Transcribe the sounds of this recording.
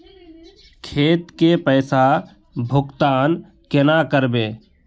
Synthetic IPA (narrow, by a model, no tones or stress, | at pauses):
kʰeːt̪kepəːsa | bʱʊkt̪aːn | kenakəɾbeː